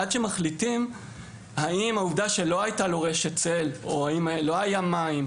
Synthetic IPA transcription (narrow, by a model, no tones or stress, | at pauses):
ad̪ʃe̞maχlitim | haimauvdaʃe̞lo̞ajtalo̞ʁe̞ʃet͡seloaimlo̞ajamaim